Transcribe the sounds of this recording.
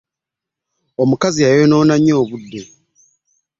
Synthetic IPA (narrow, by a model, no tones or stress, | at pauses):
o̞mukaziajono̞ːnaɲːo̞ːβudːe̞